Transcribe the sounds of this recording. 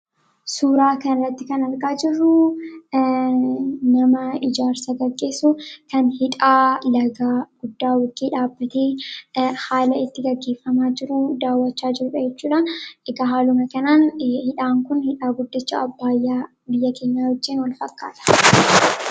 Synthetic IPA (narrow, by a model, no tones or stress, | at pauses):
suːɾaːkɐnɪrːɐt̪ːɪkɐnɐɾɡaːd͡ʒɪrːʊ | nɐmɐɪd͡ʒaːɾsɐɡɐɡːe̞ːsːukɐnhɪᶑʼaːlɐɡaːɡ̥ʊd̪ːaːwʊɡiːᶑaːbːɐt̪eː | haːlɐɪt̪ːɪɡɐɡːeːfːɐmaːd͡ʒɪɾʊd̪aːwːɐt͡ʃːaːd͡ʒɪɾʊᶑɐjɛt͡ʃːuːᶑaːnɛɡɐɦaːlʊmɐkɐnaːnhɪᶑaːŋkʊnhɪᶑaːɡʊd̪ːɪt͡ʃːa̰ɐbːaːɪjːaː | bɪjːɐkeːɲːaːhɔd͡ʒːiːnwɐlfɐkːa̰ːt̪ɐ̥